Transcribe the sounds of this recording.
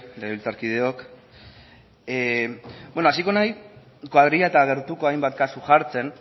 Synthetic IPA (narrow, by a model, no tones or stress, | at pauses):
leɣeilt͡saɾkið̞e̞o̞k | ebwenoasiko̞naj | kwaðɾiaet̪aɣ̞e̞ɾt̪uko̞ajmbat̪̚kasuʝaɾt͡se̞n